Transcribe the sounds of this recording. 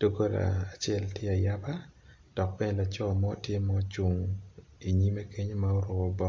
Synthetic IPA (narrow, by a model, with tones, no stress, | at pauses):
to˨ɡo˦ɾa̰ː˨t͡ʃɛ˦˨ltje˦a˨ja˦ba˦ | d̥ɔ˨k̚pɛ˦ɲ˨la˨t͡ʃɔ˦˨mɔ˦tje˦mɔ˦t͡ʃu˨ŋ | i˨ɲi˦me˦ke˦ɲ˦ma˦o˦ɾʊ˨kɔ˨bɔ˦